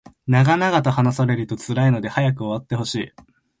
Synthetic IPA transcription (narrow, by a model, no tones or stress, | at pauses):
naɡanaɡat̪ahanasaɾe̞ɾɯt̪o̞t͡sɨɾaino̞d̪e̞hajak̬ɯ̟o̞βat̪ːe̞ho̞ɕḭː